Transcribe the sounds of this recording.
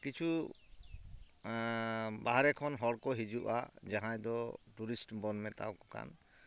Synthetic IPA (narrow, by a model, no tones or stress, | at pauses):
kit͡ʃʰu | baɦaɾɛkʰɔnɦɔɽkɔɦid͡ʒuʔa̰d͡ʒaɦãjd̪ɔʈuɾisʈbɔnmɛt̪a̰wkɔka̰n